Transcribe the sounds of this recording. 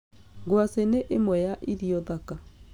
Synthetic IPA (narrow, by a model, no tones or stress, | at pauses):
ɡwaseneʔemwɛjaʔiɾiɔðaka